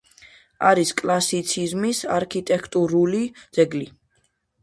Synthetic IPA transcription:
aɾiskʼlˠasit̪sʰizmisa̰ɾkʰit̪ʼɛkʰt̪ʼuɾulid̪z̥ɛɡli

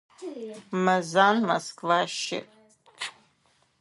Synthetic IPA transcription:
mazanmoskʼvaʃɪ̰

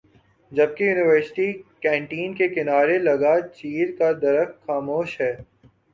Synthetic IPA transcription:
d͡ʒɐb̚kijuːnɪʋəɾsɪ̥ʈikɛ̃ːɳʈiːnkekɪnaːɾelɐɡat͡ʃiːɾkad̪ɐɾəxxaːmoːʃɦɛː

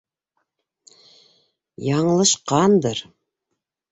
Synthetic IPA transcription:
jɑɴlˠɤ̆ʃqɑnd̪ɤɾ

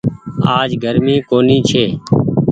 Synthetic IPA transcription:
aːd͡ʒɡʱəɾmiːkoːniːt͡ʃʰeː

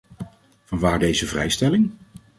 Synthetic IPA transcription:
v̥ɑnʋaːɹdejzəvrɛ̰jstɛlɪŋ

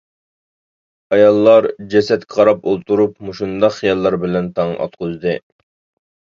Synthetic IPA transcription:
ɑjɑlˠːɑɾd͡ʒɛsɛt̪kʲʰqʰɑɾɑpolˠt̪ʰuɾupmuʃund̪ɑqχijɑlˠːɑɾbɪlɛnt̪ʰɑŋʔɑ̰t̪̚qʊzd̪ɨ

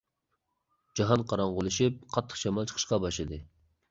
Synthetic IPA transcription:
d͡ʒɑɦɑnqʰɑɾɑɴʁʊlˠɨʃip̚qʰɑt̪ʰːə̥χʃɑmɑlˠt͡ʃʰə̥qʰə̥ʃqɑbɑʃlˠɨd̪ɨ

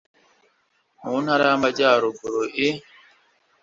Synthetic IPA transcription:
muːnhaɾamad͡ʒaːɾobuɾoʔi

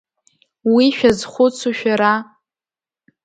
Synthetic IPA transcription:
wiʃᶣazχʷʊt͡sʰuʃᶣaɾa

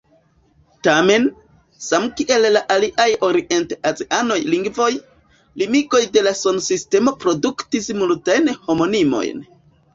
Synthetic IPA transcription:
tame̞n | samkiʔe̞lːaʔaliʔajo̞ɾiʔe̞nteʔazeʔano̞jliŋɡvo̞j | limiɡo̞jde̞laso̞nsiste̞mo̞pɾo̞duktismultajnho̞mo̞nimo̞̰jn

